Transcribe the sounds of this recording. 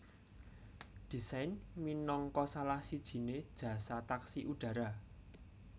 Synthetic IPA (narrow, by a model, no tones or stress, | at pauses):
d̪̥i̤sajnminɔŋkɔsalahsid̥ʒ̥i̤ned̥ʒ̥ä̤sat̪aksiʔuɖ̥ä̤ɾa